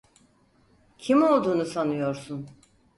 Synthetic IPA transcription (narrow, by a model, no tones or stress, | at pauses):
cʰimo̞lˠd̪uːnusanɯjo̞ɾsun